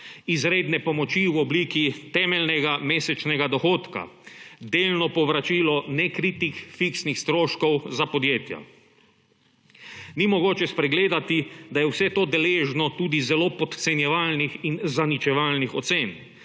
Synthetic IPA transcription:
izɾeːd̪nɛpɔmɔt͡ʃiwɔbliːkit̪ɛmɛlnɛɡameːsɛt͡ʃnɛɡad̪ɔxoːt̪ka̰d̪elnɔpɔʋɾat͡ʃilɔnɛkɾit̪ixfiksnixst̪ɾoːʃkɔwzapɔd̪jeːt̪ja̰ | nimɔɡoːt͡ʃɛspɾɛɡleːd̪at̪id̪ajɛwsɛt̪oːd̪ɛleʒnɔt̪uːd̪izɛlopɔt̪t̪sɛnjɛʋalnixinzanit͡ʃɛʋaːlnixɔt̪seːn

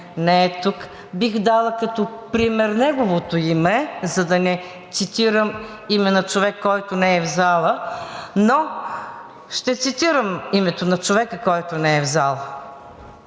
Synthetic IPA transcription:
nɛɛt̪uk | bixd̪alˠəkɐt̪opɾimɛɾnɛɡovot̪oimɛzɐd̪ɐnɛ | t̪sit̪iɾəm | imɛnɐt͡ʃovɛkːɔjt̪ʊnɛɛvzalˠəno | ʃt̪ɛt̪sit̪iɾəmimɛt̪onɐt͡ʃovɛkəkɔjt̪ʊnɛɛvzalˠ

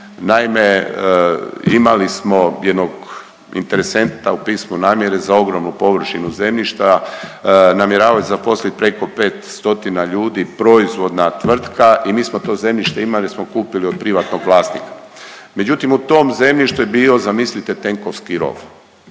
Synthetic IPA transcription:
naime | imalismo̞jed̪noɡ | ḭnt̪e̞ɾese̞nt̪aupiːsmunaːmje̞ɾe̞zao̞ɡɾomnupo̞ʋr̩ʃinuze̞mʎiʃt̪a | namjeɾaːʋazapo̞slit̪̚pɾe̞ko̞pe̞ːt̪st̪o̞t̪inaʎuːd̪ipɾo̞izʋo̞d̪nat̪ʋr̩t̪kaʔimiːsmot̪o̞ːze̞mʎʲiʃt̪eimalismo̞kuːpiliod̪̚pɾiʋat̪no̞ɡʋlˠaːst̪nḭkḁ | me̞d͡ʑut̪imut̪o̞ːmze̞mʎiʃt̪ujebiːo̞zamislit̪et̪e̞ŋko̞ʋskiɾo̞̰ʋ

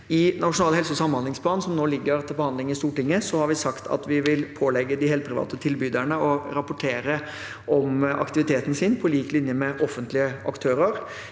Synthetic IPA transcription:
ɪnɑʂʊnɑːlhɛlsəsɑmːhɑnlɪŋsplɑːnn̩sɔmnoːlɪɡːəɾt̪ʰɪlbəhɑnd̪lɪŋɪst̪uːʈɪŋːəsɔhɑɾʋɪsɑkt̪ʰɑ̰t̪ʋɪʋɪlpʰoːlɛɡːəd̪ɪhɛːl̚pʰɾɪʋɑ̰ːt̪ət̪ʰɪlbyːd̪æɳəɔɾɑpʊʈʰeːɾə | ʔɔmʔɑ̰kt̪ɪʋɪt̪ʰeːt̪n̩sɪnpʰɔliːklɪnjəmɛʔɔfːənt̪lɪəʔɑ̰kt̪ʰøːɾəɾ

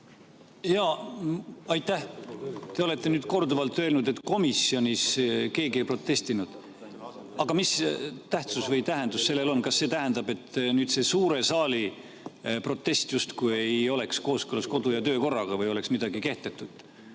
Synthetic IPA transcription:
jɑ | ɑjt̪ˑːæht̪e̞o̞le̞t̪ːˑe̞nyːd̪̥̚ko̞rd̪uvɑlt̪ːˑø̞lnud̪e̞t̪ːˑko̞misːio̞nʲiske̞ːɡie̞jpro̞t̪ːe̞st̪inud̪̥ | ɑɡ̥ɑmist̪æht̪susvɤjt̪æɦend̪̥usːe̞lːe̞lo̞nkɑsːe̞ːt̪æɦend̪̥ɑbe̞t̪ːnyːd̪̥se̞suːɾe̞sɑːli | pro̞t̪ːe̞st̪just̪kuje̞jo̞le̞ksko̞ːskølɑsko̞d̪ujɑt̪ø̞ːko̞rːɑɡ̥ɑvɤjo̞le̞ksmid̪̥ɑɡike̞ht̪et̪ːˑud̪̥

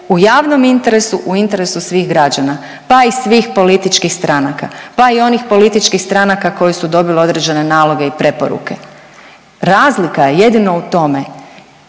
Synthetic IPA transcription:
ujaːʋno̞mint̪e̞ɾe̞suʔuint̪e̞ɾe̞susʋiːɣɡɾad͡ʒana | paisʋiːxpo̞lit̪it͡ʃkixst̪ɾanaka̰paio̞nixpo̞lit̪it͡ʃkixst̪ɾanakako̞jesud̪o̞bilio̞d̪ɾed͡ʑe̞ne̞naːlo̞ɡe̞ipɾe̞po̞̰ɾṵke̞ | ɾaːzlikajeje̞d̪inout̪o̞me

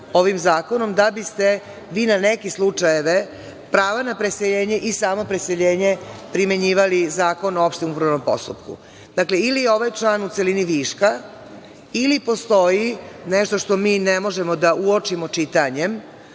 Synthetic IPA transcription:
oʋimzaːko̞no̞md̪abist̪e̞ | ʋiːnanekeslˠut͡ʂajeʋe | pɾaːʋanapɾeseʎe̞ːɲe̞ʔisaːmo̞pɾese̞ʎe̞ːɲe̞pɾime̞ɲiːʋalizaːko̞noopʃt̪emupɾaʋno̞mpo̞̰st̪ṵpkṵ | d̪̥akle̞ilijeo̞ʋajt͡ʃlaːnut̪seliniʋiːʃka | ilipo̞st̪o̞jineʃt̪o̞ʃt̪o̞miːnemo̞ʒemo̞d̪aʔuot͡ʃimo̞t͡ʃit̪aɲem

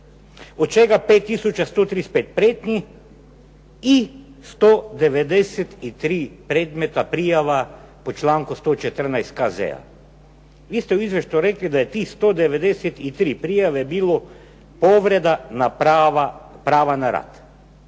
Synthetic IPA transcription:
ɔt̪̚t͡ʃeːɡapeːt̪ːisut͡ʃast̪oːt̪ɾispeːt̪̚pɾeːt̪ni | i | st̪od̪ɛʋɛd̪ɛsɛt̪it̪ɾiːpɾeːd̪met̪apɾijaʋa | pɔt͡ʃlaːŋkost̪ot͡ʃɛt̪əɾnajst̪kazɛ̰a̰ | ʋiːst̪ɛuizʋeʃt̪juɾeːklid̪ajɛt̪ist̪od̪ɛʋɛd̪ɛsɛt̪it̪ɾipɾiːjaʋɛbilo | poʋɾɛd̪anapaʋapɾaːʋanaɾa̰t̪

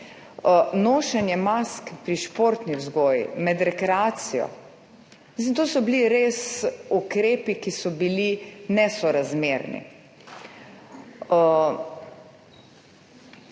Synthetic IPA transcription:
noːʃɛnjɛmaskpɾiʃpoːɾt̪niwzɡɔːjḭmɛd̪ɾɛkɾɛaːt̪sijɔ̰ | isent̪oːsɔbliɾeːsukɾeːpikisɔbilinɛsɔɾazmeːɾnḭ

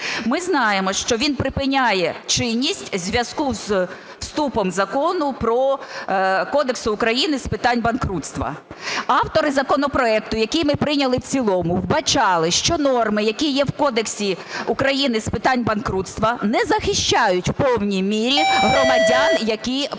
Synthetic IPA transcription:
mɪznɑjemɔʃt͡ʃɔʋʲinpɾɪpɪnʲajɛt͡ʃɪnʲːisʲtʲzʲʋʲjɐskuz | wst̪upɔmzɐkɔnʊpɾɔ | kɔd̪eksʊːkɾɐjinɪspɪt̪ɑnʲbɐnkɾut̪st̪ʋɐ̰ɑwt̪ɔɾɪzɐkɔnɔpɾɔɛk̚t̪ʊjɐkʲijmɪpɾɪnʲɐlˠɪwt͡sʲilˠɔmʊwbɐt͡ʃɑlˠɪʃt͡ʃɔnɔrmɪjɐkʲijɛwkɔd̪eksʲi | ʊkɾɐjinɪspɪt̪ɑnʲbɐnkɾut̪st̪ʋɐnɛzɐxɪʃt͡ʃɑjʊtʲwpɔwnʲijmʲiɾʲiɦrɔmɐdʲaɑnjɐkʲij

